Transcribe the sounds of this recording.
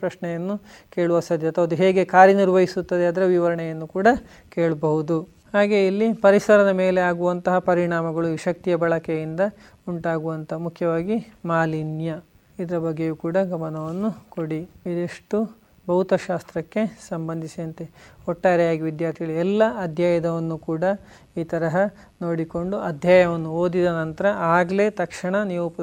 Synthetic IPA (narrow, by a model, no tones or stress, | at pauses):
ɾɐʃɳɛjɐnːuke̞ːɭuʋɐsɐd̪ʱjɐt̪ɐɐd̪uɦeːɡe̞kaːɾjɐniɾʋɐɦisut̪ːɐd̪eɐːd̪ɐɾeʋiʋɐɾɐɳɛjɐnːukuːɽɐ | keːɭɐbɐɦud̪u | haːɡe̞ilːipɐɾisɐɾɐnɐme̞ːleaːɡuʋɐnt̪ɐɦɐpɐɾiɳaːmɐɡɐɭuiʃɐk̚t̪ijɐbɐɭɐkejind̪ɐ | uɳʈaːɡuʋɐnt̪ʰɐmukʰːjɐʋaːɡimaːlinjɐ | id̪ɐɾɐbɐɡːejuːkuːɽɐɡɐmɐnɐʋɐnːukoɽiid̪eʂʈu | bɐwut̪ɐʃaːst̪ɾɐkːe̞sɐmbɐnd̪ʱisiɐnt̪eɔʈːaːɾɛjaːɡiʋid̪jaːɾt̪ʰiɡɐɭiɛlːɐːd̪ʱjaːjɐd̪ɐʋɐnːukuːɽɐ | iːt̪ɐɾɐɦɐ | no̞ːɽiko̞ɳɖuɐd̪ʱjaːjɐʋɐnːuoːd̪id̪ɐnɐnt̪ɐɾɐʔaːɡleːt̪ɐkʂɐɳɐnijuːp